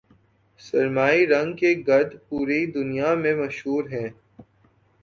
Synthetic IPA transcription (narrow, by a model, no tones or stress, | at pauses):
sɐɾmaːiɾɐ̃ŋɡkeɡɐɾd̪puːɾeid̪ʊnijamẽmɐʃɦuːɾɦɛ̃ː